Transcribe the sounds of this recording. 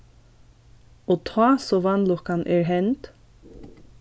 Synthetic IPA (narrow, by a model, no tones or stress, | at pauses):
oːt̪ʰɑːsoːʋɑnlɔkɑnʔeːɹɦɛnt̪